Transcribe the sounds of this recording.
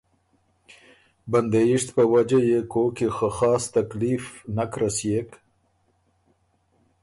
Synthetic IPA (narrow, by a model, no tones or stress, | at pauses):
band̪ajɪʂt̪pəwad͡ʒajekokixəxɑːst̪aklifnakɾasjek